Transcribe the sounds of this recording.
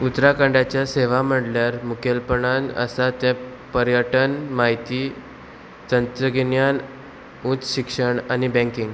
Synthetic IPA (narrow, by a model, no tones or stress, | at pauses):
ut̪ɾakãɳɖat͡ɕjaseʋam̤əɽljaɾmukelpəɳanə̰sat̪ɛ̃ | pəɾjəʈənmaɦit̪iː | t̪ənt̪ɾəɡinjan | ut͡sɕikʂəɳanibɛ̃ŋkĩŋɡ